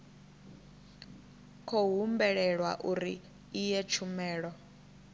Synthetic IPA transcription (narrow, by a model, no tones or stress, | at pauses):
kʰɔɦumbɛɺɛɺwa̰ʔuɾiː | jɛt͡ʃʰumɛːɺɔ